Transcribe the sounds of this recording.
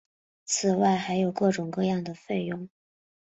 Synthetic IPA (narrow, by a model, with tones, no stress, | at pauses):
t͡sʰɹ̩˨˩wa˥˩ɪxa˧˥ɪjo˨˩ʊkɤ˥˩ʈ͡ʂʊ˨˩ŋkɤ˥˧jɑ˥˩ŋd̪ə˩fe˥˧ɪjʊ˥˩ŋ